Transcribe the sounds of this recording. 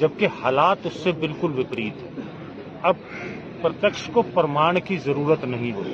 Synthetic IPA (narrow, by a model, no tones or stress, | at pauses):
d͡ʒɐb̚kehaːlaːt̪ʊsːebɪlkʊlʋɪpɾiːt̪ɦɛː | ɐb̚ | pɾɐt̪jəkʃkopɐɾəmaːɽ̃kizɐɾuːɾət̪nɐɦĩɦoːt̪i